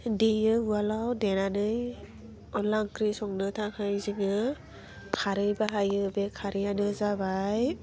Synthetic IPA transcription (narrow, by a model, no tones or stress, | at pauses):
dijɯualawdenanɯj | ɔlaŋkɾisɔŋnɯtʰaŋhajziŋɯ | kʰaɾɯjbaɦajɯbekʰaɾijanɯzabaj